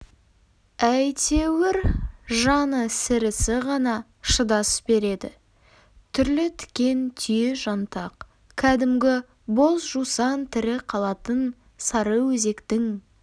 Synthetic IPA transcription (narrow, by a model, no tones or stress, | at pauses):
æjt̪ʰe̞wɪɾʒɑnəsɪɾɪsɪʁɑnɑ | ʃəd̪ɑsbe̞ɾe̞d̪ɪ | t̪ʰʏɾlɪt̪ʰɪ̥kʲe̞nt̪ʰʏjeʒɑnt̪ɑq | kʲʰæd̪ɪmɡʲɪ | bo̞zʒusɑnt̪ʰɪɾɪqʰɑlˠɑt̪ən | sɑɾəwɵze̞kt̪ɪŋ